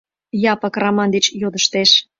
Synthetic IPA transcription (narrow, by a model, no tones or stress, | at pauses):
jɑpɑkrɑmɑnd̪et͡ɕjod̪əʃt̪eʃ